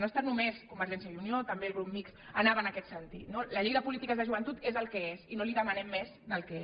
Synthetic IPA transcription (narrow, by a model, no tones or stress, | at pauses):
nost̪anumeskumbəɾʒɛnsjəiuniot̪əmbeːlˠɣɾumːiks | ənaβənakɛt̪sənt̪it̪noləʎiɣəpulit̪ikəzðəʒuβənt̪ut̪ezəlˠkɛesinoliðəmənɛmːɛzd̪əlˠkɛ